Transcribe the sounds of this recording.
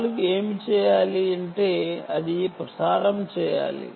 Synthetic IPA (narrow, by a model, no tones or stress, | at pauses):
lukeːmit͡ʃɛːjaːliɐɳʈeːɐðipɾɐsaːɾɐmt͡ʃɛːja̰ːlḭ